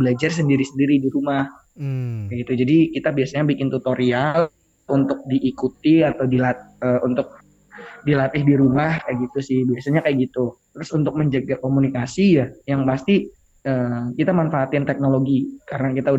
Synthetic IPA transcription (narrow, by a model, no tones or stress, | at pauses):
bəlad͡ʒars̬əndiɾisəndiɾidiɾumah | kaɡit̪ud͡ʒadikit̪abiasaɲabikɪnt̪ut̪oɾial | unt̪ʊk̚diʔːkut̪iat̪awdilaəːunt̪ʊk̚ | dilat̪ɪhdiɾumahkajɡit̪usɪhbiasaɲakajɡit̪ut̪əɾʊsunt̪ʊk̚məɲd͡ʒaɡakomunikasijajaŋpast̪i | əːkit̪amanfaat̪̚ɪnt̪ɛk̚noloɡikaɾənakit̪au